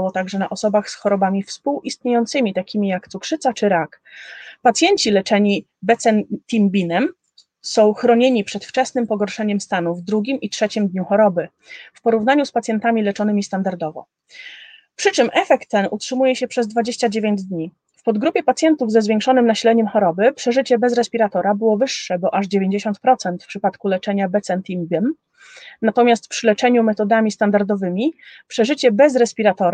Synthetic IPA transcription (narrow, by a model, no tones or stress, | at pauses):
wɔt̪aɡʐɛna̰ʔɔsɔbaxsxɔɾɔbamʲifspuwʔist̪ɲejɔnt̪sɘmʲit̪akʲʰimʲijakt̪sukʂɘt̪sat͡ʂɘɾak | pat̪sʲjeɲt͡ɕilɛt͡ʂɛɲi | bɛt̪sɛnt̪ʲimbʲinɛm | sɔ̃w̃xɾɔɲeɲipʂɛt̪ft͡ʂɛsnɘmpɔɡɔɾʂɛɲɛmst̪anuvd̪ɾuɡʲimʔitʂɛt͡ɕimd̪ɲuxɔɾɔbɘ | fpɔɾuvn̪aɲuspat̪sʲjɛnt̪amʲilɛt͡ʂɔnɘmʲist̪and̪aɾd̪ɔvɔ̰ | pʂɘt͡ʂɘmʔɛfɛk̚t̪ːɛnutʂɘmujɛɕɛpʂɛzd̪vad͡ʑeɕt͡ɕad͡ʑevʲeɲd͡ʑd̪ɲi | fpɔd̪ɡɾupʲjɛpat̪sʲjɛnt̪uvzɛzvʲjeŋkʂɔnɘmnaɕlɛɲɛmxɔɾɔbɘpʂɛʐɘt͡ɕɛbɛzɾɛspʲiɾat̪ɔɾabɘwɔvɘʂːɛbɔʔaʐd͡ʑevʲjeɲd͡ʑeɕɔnt̪̚pɾɔt̪sɛnt̪fpʂɘpat̪kulɛt͡ʂɛɲabɛt̪sɛnt̪imbʲɛm | nat̪ɔmʲjast̪fpʂɘlɛt͡ʂɛɲumɛt̪ɔd̪amʲist̪and̪aɾd̪ɔvɘmʲipʂɛʐɘt͡ɕɛbɛzɾɛspʲiɾat̪ɔɾa